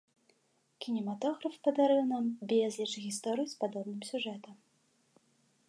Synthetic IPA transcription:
kʲinʲɛmat̪ɔɣɾɐfpɐd̪aɾɨwnambʲɛzʲlʲit͡ʂɣʲist̪ɔɾɨjispad̪ɔbnɨmsʲuʐɛt̪ɐm

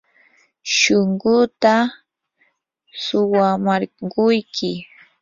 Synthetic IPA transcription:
ʃʊŋɢʊt̪a | sʊwamaɾɢʊjkʰɪ

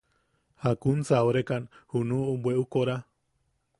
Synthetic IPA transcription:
hakunsaoɾekanhunubweʔukoɾa

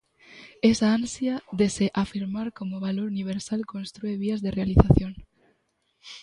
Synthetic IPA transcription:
esaansjaðeseʔafiɾmaɾkomoβaloɾuniβ̞eɾsalkõnst̪ɾueβ̞iazðerealiθaθjoŋ

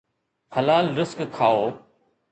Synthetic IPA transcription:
hɐlaːlɾɪskkʰːaːoː

